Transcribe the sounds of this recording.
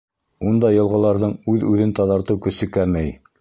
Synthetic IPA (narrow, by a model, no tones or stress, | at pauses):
und̪ɑjɤ̆lˠʁɤ̆lˠɑɾðɤɴʉðʉðɘnt̪ɑðɑɾt̪ɤwkɵ̆sɘ̆kæɾmæj